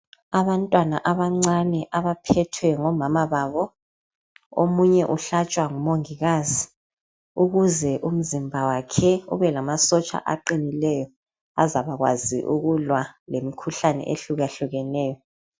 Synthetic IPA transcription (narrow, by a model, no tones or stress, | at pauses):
aβantʼwanaʔaβaŋ͡ǀanɛʔaβapʰɛtʰwɛŋɔmamaβaβɔ | o̰muɲɛʔuɬat͡ʃʼwaŋumoŋiɣazi | uɣuzɛʔum̩zimbʱawakʰɛṵβɛlamasɔt͡ʃʼa̰ʔa̰ǃinilɛjɔ | azaβaɣwa̰zḭʔṵɣulwalemikʰuɬanɛ̰ʔḛɬuɣaɬuɣɛnɛːjɔ